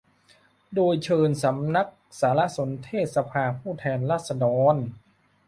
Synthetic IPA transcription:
doː˧jt͡ɕʰɤː˧nsa˩˦mna˦˥k̚ | saː˩˦la˦˥ʔso˩˦nt̪ʰeː˥˩t̪̚sa˧pʰaː˧pʰuː˥˩t̪ʰɛː˧nɾaː˥˩t̪̚sa˧dɔː˧n

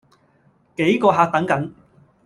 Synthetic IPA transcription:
ke˨˥jkɔː˧ɦaː˧k̚t̪ɐ˨˥ŋkɐ˨˥ŋ

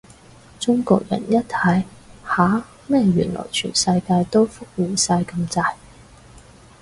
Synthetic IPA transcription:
t͡sʊ˥ŋkɔː˧k̚jɐ̰˨˩njɐ˥t̚t̪ʰɐ˨˥jhaː˨˥ | mɛː˥ɥy̰ː˨˩nlɔ̰ː˨˩jt͡ʃʰy̰ː˨˩nsɐ˧jkaː˧jt̪o˥wfʊ˥k̚miː˨nsaː˧jkɐ˧mt͡saː˧j

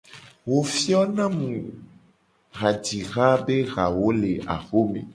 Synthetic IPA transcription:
wo˦fi˦ɔ˦nã˦mũ˨ | ɣa˨d͡ʒi˨ɣa˦be˦ɣa˨wo˦le˨ʔa̰˨xo˦mḛ̃˨

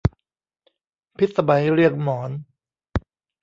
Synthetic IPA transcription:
pʰi˦˥t̪̚sa˧ba˧jɾɯ˥˩ək̚mɔː˩˦n

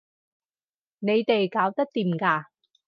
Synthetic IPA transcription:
ne˨˧jt̪e˨jkaː˨˥wt̪ɐ˥k̚t̪iː˨mkaː˧

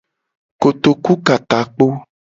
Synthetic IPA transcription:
ko˨t̪o˨ku˦ka˨ta˨k͡po˦

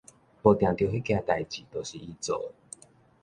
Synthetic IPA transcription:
pɔ˨˩t̪jã˨˩ŋt̪jo˧he˦˥kjã˧t̪a˨jt͡ɕi˨˩t̪o˨˩ɕi˨˩i˧t͡so˨˩˦

